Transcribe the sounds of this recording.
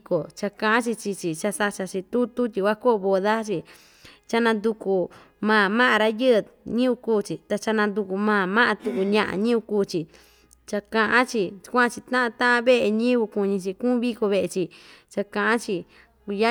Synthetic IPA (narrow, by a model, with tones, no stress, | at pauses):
ko˨t͡ʃa˧kã˧ʔã˦t͡ʃi˧t͡ʃi˧t͡ʃi˧t͡ʃa˧sa˧t͡ʃa˧t͡ʃi˧t̪u˦t̪u˦t̪ʲi˧kʷa˦ko˦ʔβo˧ða˦t͡ʃi˧ | t͡ʃa˧nã˧nd̪u˧ku˧˨ | mãː˧˨mã˦ʔã˧ɾa˦jɨ˦˧ɲĩ˦u˧kuː˦t͡ʃi˨t̪a˧t͡ʃa˧nã˧nd̪u˧ku˧mãː˧˨mã˦ʔã˧t̪u˧ku˧˨ɲã˧ʔã̰˧ɲĩ˦u˧kuː˦˧t͡ʃi˧ | t͡ʃa˧kã˧ʔã˦t͡ʃi˧kʷã˦˧t͡ʃi˧t̪ã˦ʔã˧t̪ã˦ʔã˦βe˦ʔe˧ɲĩ˦βu˧ku˧ɲĩ˧t͡ʃi˧kũː˦βi˦ko˧βe˧ʔe˧t͡ʃi˧t͡ʃa˧kã˧ʔã˦t͡ʃi˧ | ku˧ja˦